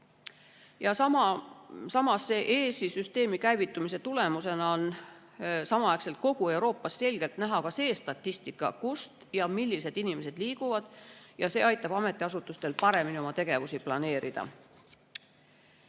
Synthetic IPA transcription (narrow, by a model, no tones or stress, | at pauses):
jɑsɑ | sɑmɑsːe̞ːʔeːsisyst̪e̞ːmikæjvit̪ːˑumise̞t̪ule̞muse̞nɑo̞n | sɑmɑɑekse̞lt̪̚ko̞ɡ̥ue̞wɾo̞ːpːˑɑsse̞lʲɡ̥e̞lt̪næɦɑkɑse̞ːst̪ɑt̪ːist̪ikːˑɑ̰kust̪jɑmilʲːise̞d̪̥inimese̞d̪̥liːɡ̥uvɑd̪̥jɑse̞ːɑjt̪ːˑɑb̥ɑme̞t̪ːˑiɑsut̪ːˑust̪e̞lpɑɾe̞minio̞mɑt̪e̞ɡ̥e̞vusiplɑne̞ːɾid̪̥ɑ̰